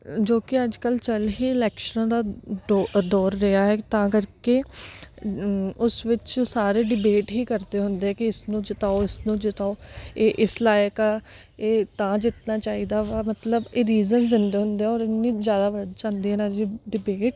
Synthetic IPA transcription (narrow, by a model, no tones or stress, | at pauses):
d͡ʒoːkɪəd͡ʒkəlt͡ʃəlɦiːɪlɛːkʃənãːd̪aː | d̪ɔːɾːəaːɦɛːt̪ãːkəɾkeː | ʊsʋɪt͡ʃsaːɾeːɖɪbeːʈɦiːkəɾd̪eːɦʊnd̪eːɛːkɪɪsnũːd͡ʒɪt̪aːoɪsnũːd͡ʒɪt̪aːoːeːʔɪslaːjka | eːt̪ãːd͡ʒɪt̪naːt͡ʃaːiːd̪aːʋaːmət̪ləbeːɾiːzənsd̪ɪnd̪eːɦʊnd̪eːɛɔːɾɪnːĩːzjaːd̪aːʋəɽɖt͡ʃãːnd̪eːɦɛːnad͡ʒiɖɪbeːʈ